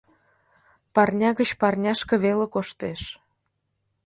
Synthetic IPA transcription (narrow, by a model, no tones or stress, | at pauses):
pɑrnʲɑɣət͡ɕpɑrnʲɑʃkə̆βelekoʃt̪eʃ